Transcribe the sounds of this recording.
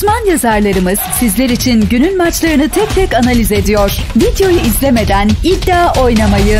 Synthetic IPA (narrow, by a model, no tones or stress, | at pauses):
smanjazaɾlˠaɾɯmɯz̥sizlʲeɾit͡ʃʰinɟynylʲmat͡ʃlˠaɾɯnɯt̪ʰɛc̚t̪ʰɛcanalʲize̞d̪ijoɾ̥vid̪jo̞juizlʲe̞me̞d̪ænid̪ːaːʔo̞jnamajɯ